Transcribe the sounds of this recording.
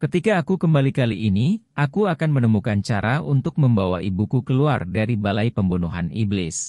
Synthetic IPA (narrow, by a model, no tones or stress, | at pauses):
kət̪ikaːkukəmbalikaliʔːniʔakuakanmənəmukant͡ʃaɾaunt̪ʊk̚məmbawa̰ibukukəlua̰rdaɾibalajpəmbunuɦanḭblɪs